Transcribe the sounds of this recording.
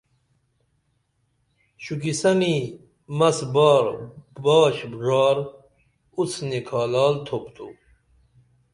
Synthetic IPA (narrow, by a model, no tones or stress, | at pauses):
ɕukisɐni | mɐsbɑːɾbɑːɕbʐɑːɾ | ut͡sʰnekʰɑːlɑːlt̪ʰopt̪ʰṵ